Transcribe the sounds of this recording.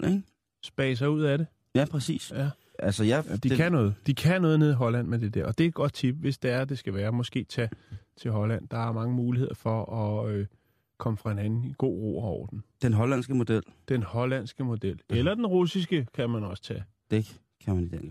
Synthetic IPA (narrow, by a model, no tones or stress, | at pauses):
eŋ | sb̥ɛ̰ːs̬ɑ̈ɪuð̰ˠæɾe̝ | jæpʰʁɛsḭːsjæ | ælsəjad̥ikʰænɔ̽ːð̞̩ˠd̥ikʰænɔ̽ːð̞ˠne̝ðˠiɦɒ̽læn̰med̥e̝d̥ḛɐɒ̽d̥e̝d̥̚ɡ̥ɒ̽d̥̚t͡sʰib̥ʋe̝sd̥e̝æɐd̥e̝sɡ̥æʋæːɐmɒ̽sɡ̥e̝̰ːt͡sʰɛt͡sʰe̝ɦɒ̽læn̰d̥ɑ̈æɐmɑ̈ŋəmuːlihe̝ð̞̰ˠɐfɒ̽ɒ̽ø | kʰɒ̽məfʁɑ̈e̝nænn̩iɡ̥o̝̰ːʁo̝̰ːɐɒʊ̰ɐd̥en̩d̥enɦɒ̽læn̰sɡ̥əmo̝d̥el̰d̥enhɒ̽læn̰sɡ̥əmo̝d̥el̰elɐd̥enʁusisɡ̥əkʰæmænɒ̽sə̥t͡sʰɛ | d̥e | kʰæmænid̥ɛn